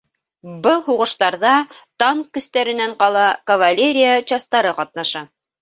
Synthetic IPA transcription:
bɤlˠhuʁɤ̆ʃt̪ɑɾðɑt̪ɑŋkɵ̆st̪æɾɘ̆næɴqɑlˠɑkɐvalʲeɾʲɪjat͡ɕɑst̪ɑɾɤqɑt̪̚nɑʃɑ

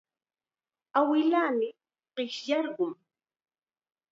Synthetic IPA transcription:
awɪlaːmɪ | ɢ̥ɪʃjɑɾɢʊm

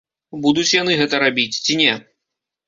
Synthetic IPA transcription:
bud̪ut͡sʲjanɨɣɛt̪ɐɾabʲit͡sʲt͡sʲinʲɛ

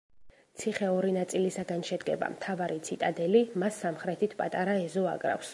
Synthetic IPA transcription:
t̪sʰiχɛɔɾinat̪sʼilisaɡanʃɛd̪ɡɛ̰ba̰mt̪ʰavaɾit̪sʰit̪ʼad̪ɛlimasːamχɾɛt̪ʰit̪ʰpʼat̪ʼaɾaɛzɔa̰kʼɾa̰fs

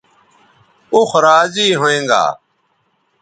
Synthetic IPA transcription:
ʊxɾaːziːɦoːẽːŋɡa̰ː

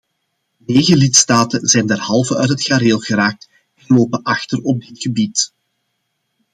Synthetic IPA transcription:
neːɣəlɪtstaːtənzɛjndɛrhɑlˠvəœɥtɦətxaɾeːlˠɣəɾaːk̚t | ɛnloːpənʔɑxtərɔb̚dɪtxəbit

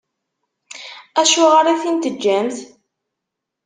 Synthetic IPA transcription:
æʃʊʁəɾiθint̪əd͡ʒːænθ

